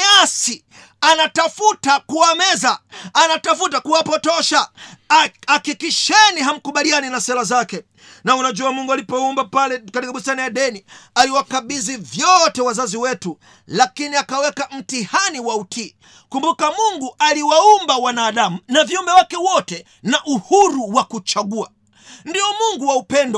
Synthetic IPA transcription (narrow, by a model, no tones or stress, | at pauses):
asi | anatafutakuamɛzaːnatafutakuwapɔtɔʃa | akikiʃɛniɦam̩kuɓalianinasɛɾazakɛ | naunaʄuamuŋɡualipɔumbapalɛkatikaɓustanajaɗɛnialiwakaɓizivjɔtɛwazaziwɛtu | lakiniakawɛkam̩tihaniwautiː | kumbukamuŋɡualiwaumbawanaːɗamunaviumbɛwakɛwɔtɛ | naʔuhuɾuwakut͡ʃaɠua | ndiɔmuŋɡuwaupɛndɔ